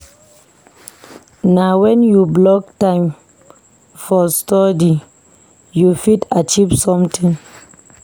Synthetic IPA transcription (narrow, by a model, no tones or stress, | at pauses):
nawɛ̃njublɔk̚tãɪ̃m | fɔstɔdi | jufidat͡ʃivsɔ̃mtʰĩŋ